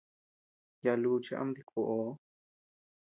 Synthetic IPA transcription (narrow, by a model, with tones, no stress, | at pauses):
ja˧lu˧t͡ʃi˧ʔa̰˦md̪i˧kʰo˧˨ʔo˨˦